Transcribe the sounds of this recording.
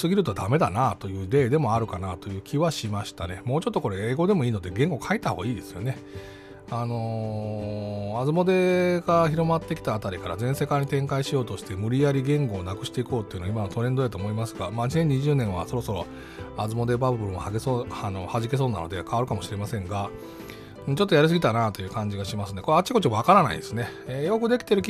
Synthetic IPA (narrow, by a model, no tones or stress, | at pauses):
sɨɡʲiɾɯ̟t̪o̞d̪ame̞d̪anat̪o̞jɯ̟ːd̪e̞ːd̪e̞mo̞aɾɯ̟kanat̪o̞jɯ̟ːkʲiβaɕimaɕi̥t̪ane̞mo̞ːt͡ɕo̞t̪ːo̞ko̞ɾe̞eːɡo̞d̪e̞mo̞iːno̞d̪e̞ɡẽ̞ŋɡo̞kʰait̪ːaho̞̰ːɡaiːd̪e̞sɨ̥jo̞ne̞ | ano̞ | azɨmo̞d̪e̞ɡaçiɾo̞mat̪ːe̞kʲi̥t̪aːt̪aɾʲikaɾa̰zẽ̞se̞kaɲ̟ːit̪ẽ̞ŋkaiɕijo̞ːt̪o̞ɕi̥t̪e̞mɯ̟ɾʲijaɾʲiɡẽ̞ŋɡo̞ːnakɯ̟ɕi̥t̪e̞iko̞ːt̪oeiɯ̟noaimanot̪o̞ɾẽ̞nd̪o̞jat̪oːmo̞imasɨɡamaːɲ̟isẽ̞ɲ̟ːiʑɨːnẽ̞ɰ̃βa̰so̞ɾo̞so̞ɾo̞̰ | azɨmo̞d̪e̞babɯbɯɾ̃ohaɡesoano̞haʑike̞s̬oːna̰no̞̰d̪e̞kʰaβaɾɯ̟kamo̞ɕiɾe̞masẽŋɡa | ɯ̃ːt͡ɕo̞t̪ːo̞jaɾɯ̟s̬ɨɡʲit̪anat̪o̞jɯ̟ːkãɲ̟d͡ʑiɡaɕimasɨnd̪ekoat͡ɕːiko̞t͡ɕimoβakaɾana̰ḭd̪esɨne̞ejo̞kɯ̟d̪e̞kʲi̥t̪e̞ɾɯ̟kʲ